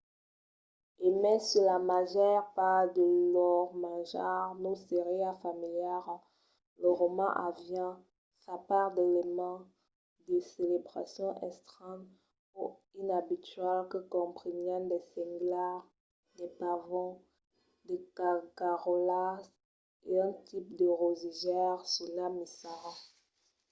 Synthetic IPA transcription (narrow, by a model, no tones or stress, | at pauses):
emɛ̃sylamaʒɛʁpaʁd̪əlɔʁmaʒaʁnoseʁeafamiljaʁ | ləʁomɑ̰̃ʔavjɛ̃ | sapaʁd̪elemɑ̃ | d̪əselebʁa̰sjɔ̃ʔɛ̰st̪χɛm | puʁinabit̪ɥɛlkəkɔ̃pχinjɛ̃d̪ɛsɛ̃ŋɡlaʁ | d̪ɛpavɔ̃ | d̪əkakaʁolas | eɛ̃t̪ipd̪əʁoziʒɛʁsulamisaʁa